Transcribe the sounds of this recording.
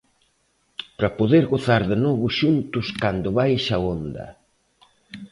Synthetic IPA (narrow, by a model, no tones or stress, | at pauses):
pɾapoðeɾɣoθaɾðenɔβʊʃunt̪ʊskand̪ʊβajʃaond̪ɐ̰